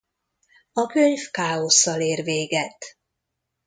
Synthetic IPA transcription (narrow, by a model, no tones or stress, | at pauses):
ɒkøɲfkaːo̞sːɒleːrveːɡɛt̪